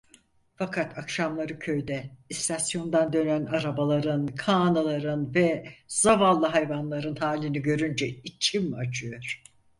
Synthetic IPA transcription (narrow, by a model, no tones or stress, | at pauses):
fakʰat̪ʰakʃamlˠaɾɯcʰø̞jd̪ɛist̪ʰasjo̞nd̪and̪ø̞nænaɾabalˠaɾɯnkʰaːnalˠaɾɯnvɛz̥avalˠːɯɦajvanlˠaɾɯnhaːlʲiniɟø̞ɾynd͡ʒɛit͡ʃʰimat͡ʃʰɯjoɾ̥